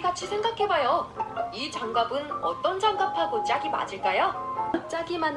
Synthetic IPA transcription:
ɡat͡ɕʰisʰe̞ŋɡakʰe̞bajoit͡ɕaŋɡabɯnʌt͈ʌnd͡ʑaŋɡapʰaɡot͡ɕ͈aɡima̰ɕʰiɭk͈ajot͡ɕ͈aɡiman

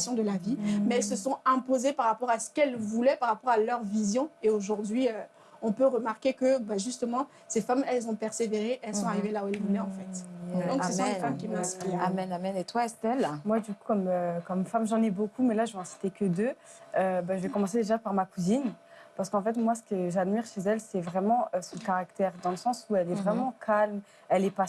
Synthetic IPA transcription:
sjɔ̃d̪əlavimɛɛlsəsɔ̃ɛ̃pozepaʁapɔʁasə̥kɛlvulɛpaʁapɔʁalœʁvizjɔ̃eoʒuʁd̪ɥiø | ɔ̃pøʁəmaʁkʲekəbaʒyst̪əmɑ̃ | sefamɛlzɔ̃pɛʁseveʁeʔɛlsɔ̃aʁivelauɛlvulɛɑ̃fɛt̪d̪ɔ̃kssəs̬ɔ̃famkʲimɛ̃siaamɛnamɛnet̪waɛst̪ɛlmwad̪yku̥kɔmøkɔmfamʒɑ̃nɛbokumɛlaʒəvɛ̃si̥t̪ekʲəd̪ø | øbaʒəvɛkɔmɑ̃sed̪eʒapaʁmakuzinpaʁsəkɑ̃fɛt̪mwas̬ə̥kəʒad̪miʁʃezɛlsɛvʁɛmɑ̃øsɔ̃kaʁakt̪ɛʁd̪ɑ̃ləsɑ̃suɛlɛvʁɛmɑ̃kʰalm | ɛlɛpa

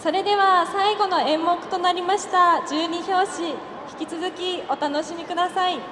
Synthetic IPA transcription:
so̞ɾe̞d̪e̞β̞asaiɡo̞no̞ẽ̞mːo̞kɯ̟̥t̪o̞naɾʲimaɕi̥t̪ad͡ʑɨːɲ̟iço̞ːɕi | çi̥kʲit͡sɨzɨkʲio̞t̪ano̞ɕimʲikɯ̟d̪asai

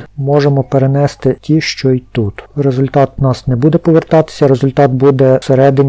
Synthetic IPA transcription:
mɔʒemɔpeɾenɛst̪ɪtʲiʃt͡ʃɔjt̪ut̪ɾezʊlʲt̪ɑt̪nɑsnɛbud̪ɛpɔʋert̪ɑt̪ɪ̥sʲɐɾezʊlʲt̪ɑt̪bud̪ɛseɾɛd̪ɪnʲ

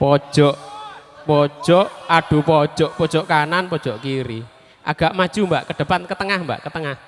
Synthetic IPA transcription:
pɔd̥ʒ̥ɔʔpɔ̥ʒ̥ɔʔaɖ̥upɔd̥ʒ̥ɔʔpɔd̥ʒ̥ɔʔkananpɔd̥ʒ̥ɔʔkiɾi | ʔa̰ɡ̥aʔmad̥ʒ̥umbaʔkəɖ̥ə̤pankət̪əŋahmba̰ʔkət̪əŋah

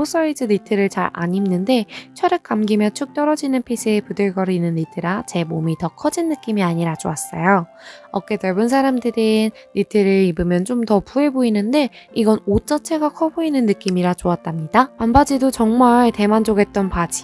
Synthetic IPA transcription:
os͈ʌid͡ʑɯnitʰɯɾɯɭt͡ɕaɾa̰ɲimnɯnde̞t͡ɕʰʌɾɯk̚k͈amɡimjʌnt͡ɕʰuk̚t͈ʌɾʌd͡ʑinɯnpʰisʰɯepudɯɭɡʌɾinɯnːitʰɯɾat͡ɕe̞momitʌkʰʌd͡ʑinːɯk͈imiaɲiɾat͡ɕoas͈ʌjo | ʌk͈e̞tʌɭbɯnsʰaɾamdɯɾinːitʰɯɾɯibɯmjʌnt͡ɕomtʌpue̞boinɯnde̞ | iɡʌnot͡ɕ͈ʌt͡ɕʰe̞ɡakʰʌboinɯnːɯk͈imiɾat͡ɕoat̚t͈amɲidapambad͡ʑidot͡ɕʌŋmaɭte̞mand͡ʑoɡe̞t̚t͈ʌnpad͡ʑi̥

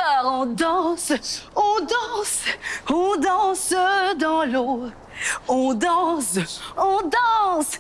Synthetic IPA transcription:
ɔʁɔ̃d̪ɑ̃sɔ̃d̪ɑ̃sɔ̃d̪ɑ̃sd̪ɑ̃lo | ɔ̃d̪ɑ̃sɔ̃d̪ɑ̃s

